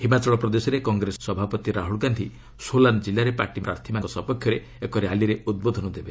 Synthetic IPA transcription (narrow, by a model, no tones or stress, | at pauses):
himat͡ʃɔɭɔpɾɔd̪esɔɾekɔŋɡɾesɔsɔbʱapɔt̪iɾaɦuɭkant̪ʰi | soland͡ʒilːaɾepaɾʈimɾaɾt̪ʰimaŋkɔsɔpɔkʰjɔɾe | ekɔɾealiɾeud̪̚bod̪ʱɔnɔd̪ebe